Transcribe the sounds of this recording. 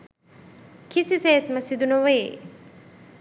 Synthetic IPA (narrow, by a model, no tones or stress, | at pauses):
kisiseːt̪məsid̪unoʋee